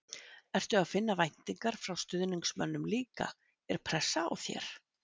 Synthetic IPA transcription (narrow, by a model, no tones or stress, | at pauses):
ɛr̥t̪ʏaðfɪnːavajn̥t̪iŋkaɾ̥fɾawst̪ʏðniŋksmœnːʏmliːka̰ | ɛɾ̥pʰɾɛsːaa̰wθjɛ̰ɾ̥